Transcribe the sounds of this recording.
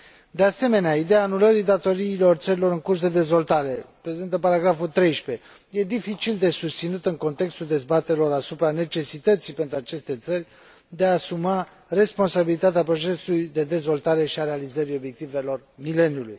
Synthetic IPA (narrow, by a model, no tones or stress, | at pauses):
d̪e̞ase̞me̞neaid̪eaːnuləɾid̪at̪o̞ɾiːlo̞rt̪səɾilo̞ɾɨŋkurs̬d̪e̞d̪e̞zvo̞lt̪aɾe̞pɾe̞zint̪əpaɾaɡɾafult̪ɾe̞jʃpe̞ | je̞d̪ifit͡ʃild̪e̞sust̪sinut̪əŋko̞nt̪e̞kst̪uld̪e̞zbat̪eɾelo̞ɾasupɾane̞t͡ʃe̞sit̪ət̪sipe̞nt̪ɾuat͡ʃe̞st̪e̞t̪sərʲ | d̪eaːsuma | re̞spo̞nsabilit̪at̪eapɾo̞t͡ʃe̞sulujd̪e̞d̪e̞zvo̞lt̪aɾe̞ʃiaɾealizəɾio̞bjek̚t̪ive̞lo̞rmile̞njuluj